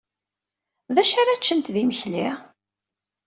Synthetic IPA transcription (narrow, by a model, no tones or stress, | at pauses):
ðæʃaɾæt͡ʃːənt̪ðiməçli